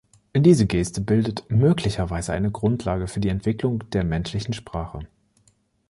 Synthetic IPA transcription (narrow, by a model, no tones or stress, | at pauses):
ʔɪndiːzəɡeːstəbɪldətmøːklɪçɐvaɪzəʔa̰ɪnəɡʁʊntʰlaːɡəfyːɐdiːɛntv̥ɪklʊŋd̥eːɐmɛnʃlɪçn̩ʃpʁ̥aːχə